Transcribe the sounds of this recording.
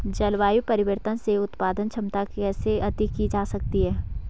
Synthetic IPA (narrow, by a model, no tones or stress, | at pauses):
d͡ʒɐlʋaːjupɐɾɪʋəɾt̪ənseʊt̪paːd̪ənt͡ʃʰɐmt̪akɛːseɐt̪ikid͡ʒaːsɐk̚t̪iɦɛː